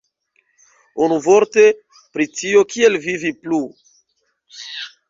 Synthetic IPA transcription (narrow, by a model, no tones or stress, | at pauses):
onuvoɾte | pɾitio̞kielviviplu